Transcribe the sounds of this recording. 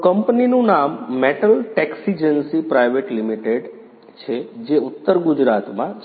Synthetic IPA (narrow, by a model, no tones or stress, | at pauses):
kəmpninũnamːeʈəlʈɛksid͡ʒənsipɾajʋeʈlimiʈeɖ | t͡ʃʰed͡ʒeʊt̪ːəɾɡud͡ʒɾat̪mã